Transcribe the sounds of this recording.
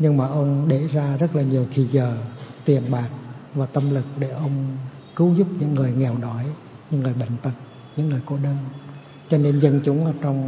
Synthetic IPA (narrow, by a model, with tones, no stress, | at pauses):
ɲɨ˧ŋmaː˨˩ʔə˧wŋ͡mɗe˧˩zaː˧zə˦˥t̚laː˨˩ɲi˨˩əwt̪ʰi˨˩zəː˨˩t̪i˨˩əmɓaː˨˩k̚vaː˨˩t̪ə˧mlɨ˨˩k̚ɗe˧˩ʔə˧wŋ͡m | kɨ˨˦wzu˦˥p̚ɲɨ̰˧˥ŋːɨ˨˩əjŋɛ˨˩wɗɔ˨˦j | ɲɨ̰˧˥ŋːɨ˨˩əjɓə̰˧˨ŋ̟t̪ə˨˩t̚ | ɲɨ̰˧˥ŋːɨ˨˩əjko̰˧˩ɗəː˧n | t͡ɕɔ˧ne˧nzə˧nt͡ɕʊ˨˦ŋ͡mʔəː˧˩t͡ɕɔ˧wŋ͡m